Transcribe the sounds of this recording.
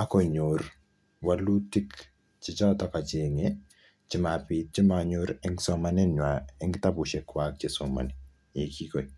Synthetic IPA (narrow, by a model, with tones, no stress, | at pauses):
a˦kɔ˨ɲor | walu˦ti˦k | t͡ʃɪ˨t͡ʃɔ˦tɔ˦ka˨t͡ʃeŋe | t͡ʃɪ˦ma˨pit̚t͡ʃi˦maɲoɾɛŋsɔma˨nɛ˦nwa˨ɛŋɡta˦buʃe˨kwak̚t͡ʃe˦sɔ˨ma̰˨ni | e˨ki˦ko˨i